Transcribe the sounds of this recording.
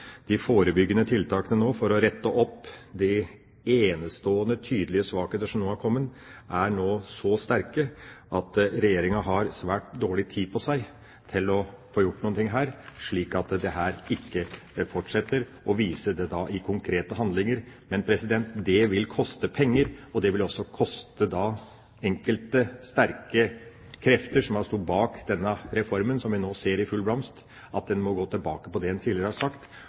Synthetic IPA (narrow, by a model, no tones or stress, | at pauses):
d̪̥ɪfoːɾəbʏɡːənət̪ʰɪlt̪ʰɑːkənənoːfɔɾɔɾɛt̪ːəʔɔpːd̪ɪ | eːnəst̪oːənət̪ʰyːd̪əlɪəsʋɑːkeːt̪əʂɔmnoːhɑɾkʰɔmːən | ʔæɳoːsɔst̪æɾkəʔɑt̪ɾɛjeːɾɪŋɑɦɑɾsʋæːʈ̚d̪oːɭɪt̪ʰiːpʰɔsæɪ | t̪ʰɪlɔ | foːjʊʈːnuːənt̪ɪŋɦæːɾʂɭiːkɑt̪d̪ɛɦæːɾɪkːəfɔʈʂɛt̪ːəɾ | ɔʋiːsəd̪ɛd̪ɑʔɪkʰʊŋkʰɾeːt̪əɦɑnd̪lɪŋəɾmɛnpʰɾɛsɪd̪ɛnt̪d̪ɛʋɪlkʰɔst̪əpʰɛŋːəɾɔd̪ɛʋɪlɔsːɔkʰɔst̪əd̪ɑ | ɛŋkəlt̪əst̪æɾkə | kʰɾɛft̪əʂɔmhɑɾʂt̪ut̪bɑːkd̪ɛnːəɾɛfɔɾmənsɔmʋɪnoːseːɾɪfʉlblɑmst̪ | ʔɑt̪̚d̪ɛnmɔɡoːt̪ʰɪlbɑːkəpɔd̪ɛɛnt̪ʰiːlɪəɾəhɑʂɑkt̪